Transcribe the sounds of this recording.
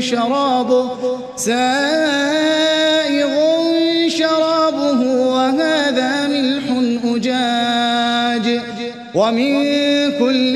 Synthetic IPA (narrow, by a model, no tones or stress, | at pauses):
ʃɑɾˤɑːbʊ | saː | ʔɪɣʊʃɑɾˤɑːbʊɦʊwaɦaːðaːmɪlħʊnʔʊd͡ʒaː | d͡ʒ | wamɪnkʊlː